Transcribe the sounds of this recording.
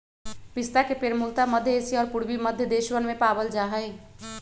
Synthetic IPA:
pist̪akepeɾmult̪aməd̪ʱjəesiɔːɾpuɾbiməd̪ʱjəd̪eʃwənmepabəld͡ʒaɦəj

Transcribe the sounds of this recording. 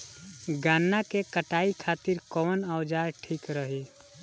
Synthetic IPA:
ɡanːakekəʈaikʰat̪iɾkɔnəwd͡ʒaɾʈʰikɾəɦi

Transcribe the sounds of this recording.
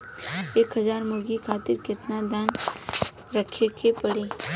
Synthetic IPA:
eːkɦɐzaːɾmʊɾɡikʰaːt̪ɪɾkɪt̪nad̪an | ɾɐkʰekʰepɐɽiː

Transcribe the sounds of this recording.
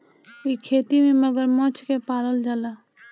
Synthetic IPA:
ikʰeːt̪imẽməɡəɾmɔ̃t͡ʃkepaːɾəld͡ʒaːlaː

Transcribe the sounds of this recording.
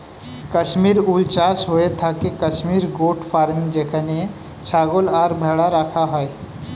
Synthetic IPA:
kəʃmiːɾult͡ʃaːsɦoet̪ʰakekəʃmiːɾɡoːʈpʰaːɾmd͡ʒekʰəne | t͡ʃʰaːɡolaːɾbʱəɽaɾəkʰaɦɔe

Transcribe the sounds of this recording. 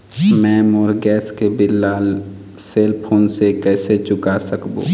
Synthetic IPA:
mɛ̃ːmoːɾɡɛːskebɪlːaːl | seːlpʰoːnsekɛːset͡ʃʊkasəkbṵː

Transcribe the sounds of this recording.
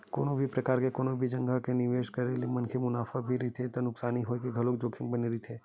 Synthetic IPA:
ko̰ːnobʱipɾɐkaːɾkekoːnõbʱid͡ʒɐ̃ŋɡakenɪʋeːʃkɐɾelemɐ̃nkʰemʊnaːfabʱiɾit̪ʰet̪onʊksaːniɦoːekeɡʱɐlokd͡ʒoːkʰɪbɐneɾit̪ʰeː

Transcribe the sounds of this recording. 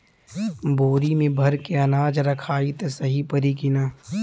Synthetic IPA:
boːɾimẽbʱɐɾkeɐnaːd͡ʒɾɐkʰaːit̪esɐɦipɐɾikɪnaː

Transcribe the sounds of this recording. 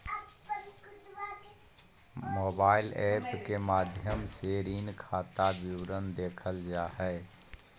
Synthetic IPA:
moːbaːɪlɛːpkemaːd̪ʱjəmseɾiːnkʰaːt̪abjɪwɾənd̪eːkʰəld͡ʒaːɦɛː

